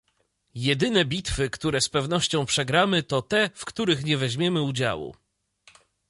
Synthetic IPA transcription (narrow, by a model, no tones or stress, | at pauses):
jɛd̪ɘnɛbʲit̪fɘkt̪uɾɛspɛvnɔɕt͡ɕɔ̃w̃pʂɛɡɾamɘt̪ɔt̪ɛfkt̪uɾɘxɲɛvɛʑmʲjɛmɘud͡ʑa̰wṵ